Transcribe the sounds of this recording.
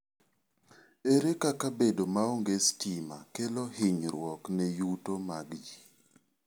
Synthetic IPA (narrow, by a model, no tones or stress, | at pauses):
eɾekakabedomaoŋɡestima̰kelohɪɲɾwɔknejutomaɡd͡ʒi